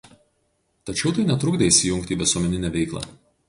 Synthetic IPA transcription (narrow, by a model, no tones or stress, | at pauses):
t̪ɐt͡ʃʲɛʊt̪ɐɪnʲɛt̪ɾʊɡd̪ɐisʲɪjʊŋʲkt̪ʲiːʋʲɪsuɔmʲɛnʲɪnʲæːʋʲɛɪklˠɑ̰ː